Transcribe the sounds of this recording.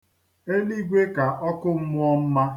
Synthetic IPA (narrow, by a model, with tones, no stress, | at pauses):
e˦li˦ɡʷe˦ka˨ʔɔ˦kʊ˦m̩˦mʊ˦ɔ˦m̩˦ma˦